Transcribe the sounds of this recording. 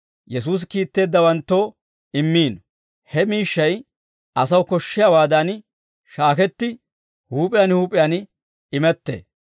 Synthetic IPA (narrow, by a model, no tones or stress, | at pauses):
jɛs̬uːs̬kiːt̪ːe̞ːd̪ːɐwɐnt̪ːo | ɪmːiːn | hɛmiːʃːɐj | ʔɐsɐwkɔʃːɪjawaːd̪ɐn | ʃaːkɛt̪ːɪ | huːpʼɪjaːnhuːpʼɪjan | ɪmɛt̪ːḛː